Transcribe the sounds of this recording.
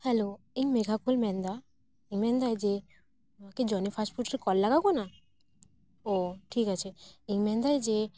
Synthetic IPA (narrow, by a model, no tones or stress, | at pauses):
hɛlo | iŋmeɡʱakulmɛ̃nd̪a | iŋmɛ̃nd̪ajd͡ʒe | maked͡ʒɔnipʰasʈfuʈɾekɔlːaɡakɔna | oʈʰikat͡ʃʰeiŋmɛ̃nd̪ajd͡ʒe